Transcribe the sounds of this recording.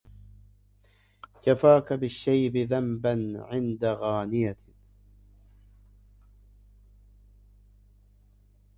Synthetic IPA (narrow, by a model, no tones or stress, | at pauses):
kafaːkabɪʃːajbɪðambanʕɪnd̪aɣaːnɪja